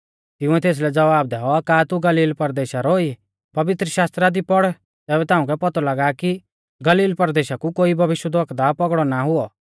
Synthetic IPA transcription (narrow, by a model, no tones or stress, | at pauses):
t̪ɪ̃ʊ̃ɛt̪eːs̬lɛd͡zɐʋaːb̚d̪ɛɦɔkaːt̪uɡɐliːlpɐɾd̪eːʃaɾɔi | pɐʋɪt̪ɾəʃaːst̪ɾad̪ipɔɽ | t̪ɛːβɛt̪ãːʊ̃k̬ɛpɔt̪ɔlaɡaːki | ɡɐliːlpɐɾd̪eːʃakukoːibʱɐʋɪʃwəd̪ʋɔkd̪apɔɡɽɔnaɦʊɔ